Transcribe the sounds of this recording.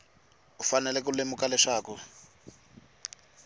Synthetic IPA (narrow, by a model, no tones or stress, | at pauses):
ufanɛlɛkulemukalɛʂaːku